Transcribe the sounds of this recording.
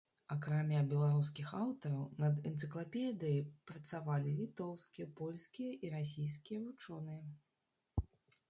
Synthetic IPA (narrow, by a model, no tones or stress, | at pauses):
ɐkɾamʲabʲɛlˠaɾus̬kʲixawt̪ɐɾɐwnɐd̪ɛnt̪sɨklˠapʲɛd̪ɨjijpɾɐt̪savalʲilʲit̪ɔwskʲijɐpɔlʲskʲijɐʔiɾasʲijskʲijɐvut͡ʂɔnɨjɐ